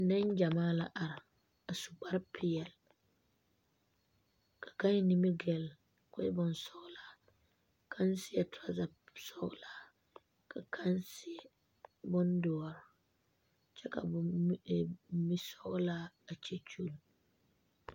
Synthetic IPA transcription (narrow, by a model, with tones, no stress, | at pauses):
nɛ˦nd͡ʒa˨maː˦la˦ʔa˨ɾ | a˨su̥˨k͡pa˦ɾpʰɪ˦ɛ˨l | kʰḁ˨ka˦n˦ni˦mi˦ɡɛ˨l | kɔ˦bɔ˨nsɔ˦ɣla˦ | kʰa˦nsɪ˦ɛ˨tʊ˨a˨za˨ | sɔ˦ɣla˦ | kʰa˨kʰa˦nsɪ˦ɛ˦ | bʊ˦ndɔ˨ɔ˨ɾ | t͡ʃɛ˦ka̰˨b | mi˦sɔ˦ɣla˦ | a˨t͡ʃɛ˦t͡ʃu˦l